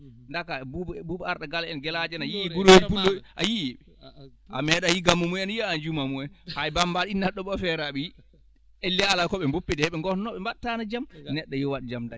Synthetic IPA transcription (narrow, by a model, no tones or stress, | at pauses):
ndakabububaɾɗaɡalɛnɡɛlad͡ʒɛnajiɡuɾod͡ʒipulːoʔajiɛ | ʔamɛɗajiɡamːumuɛnjiand͡ʒumamuɛnhajbambaɗinːaɗɔɓɔfɛɾaɓiji | elːɛalakɔɓɛmbopːɛdɛɛɓɛŋɡɔnnɔɓɛmbatːanad͡ʒamnɛɗːajɔwaɗid͡ʒamda